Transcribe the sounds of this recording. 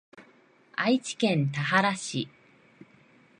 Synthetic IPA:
ait͡ɕi̥kẽ̞nt̪aɦaɾaɕi

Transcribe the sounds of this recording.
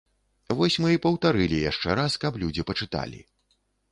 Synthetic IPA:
vɔsʲmɨipɐwt̪aɾɨlʲijaʂt͡ʂɛɾaskɐplʲud͡zʲipɐt͡ʂɨt̪a̰lʲḭ

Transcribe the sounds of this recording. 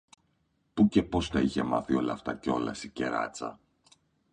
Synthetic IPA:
puce̞po̞st̪ɐiçe̞mɐθio̞lɐːft̪ɐceo̞lɐ̰sice̞ɾɐ̰t͡sɐ̰

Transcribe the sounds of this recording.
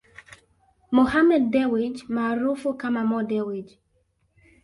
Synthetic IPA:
mohamɛd̚ːɛwid͡ʒmaɾofokamamɔdɛwid͡ʒ

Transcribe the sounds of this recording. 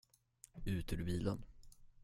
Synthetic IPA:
ʉ̟ːt̪əɖɵbiːlən

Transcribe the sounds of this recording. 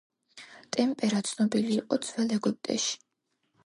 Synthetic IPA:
t̪ʼɛmpʼɛɾat̪sʰnɔbiliːqʼɔd̪z̥vɛlɛɡup̚ʼt̪ʼɛ̰ʃi̥

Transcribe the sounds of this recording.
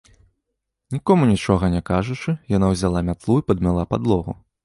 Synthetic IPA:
nʲikɔmunʲit͡ʂɔɣɐnʲɛkaʐut͡ʂɨjanawzʲalˠamʲat̪lˠuipɐd̪mʲalˠapad̪lˠɔɣṵ

